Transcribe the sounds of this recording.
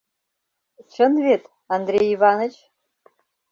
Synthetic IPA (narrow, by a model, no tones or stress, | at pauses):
t͡ʃʰənvʲet̪ | and̪ɾʲejivɑnət͡ʃ